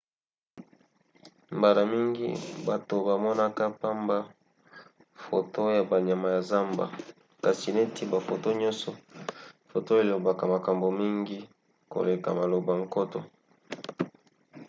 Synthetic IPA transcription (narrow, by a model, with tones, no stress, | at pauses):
mba˨la˨mi˦ŋɡḭ˦ba˨to˨ba˨mɔ˦na˦ka˦pa˦mba˦ | fo̰˨to˦ja˨ba˨ɲa˨ma˨ja˨za˦mba̰˨ | ka˨si˨ne˦ti˦ba˨fo˨to˦ɲɔ̃˦nsɔ˨fo˨to˦e˨lo˨ba˨ka˨ma˨ka˨mbo˨mi˦ŋɡi˦ | ko̰˨le˨ka̰˨ma˨lo˨ba˨ŋko˦tɔ̰˨